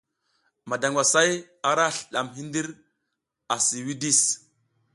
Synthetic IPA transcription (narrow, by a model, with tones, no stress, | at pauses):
ma˨da˨ŋɡʷwa˨sa˦j | a˨ɾa˦ɬɗa˨mɦi˦ndi˦ɾ | a˨si˨wi˦di˦s